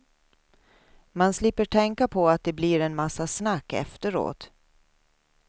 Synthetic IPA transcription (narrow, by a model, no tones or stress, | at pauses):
manslɪpːəʈʰɛŋkapʰɔat̪̚d̪ɛbliːɾɛnmasːasnakːɛ̰ft̪əɾo̰ːt̪